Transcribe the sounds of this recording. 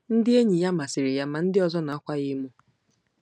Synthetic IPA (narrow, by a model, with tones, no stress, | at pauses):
n̩˦dɪ˦e˦ɲi˨ja˦ma˨sɪ˨ɾɪ˨ja˦ma˨n̩˦dɪ˦ɔ˨zɔ˦na˨a˦kʷa˦ɣɪ˦mu˦